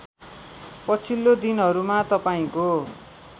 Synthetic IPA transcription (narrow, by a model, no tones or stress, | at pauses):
pʌt͡sʰilːod̪inɦʌɾumat̪ʌpaĩko